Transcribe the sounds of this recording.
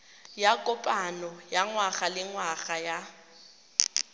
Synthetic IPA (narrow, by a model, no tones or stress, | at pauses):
jakʼʊpʼanɔjaŋwaɣalɪŋwaɣaja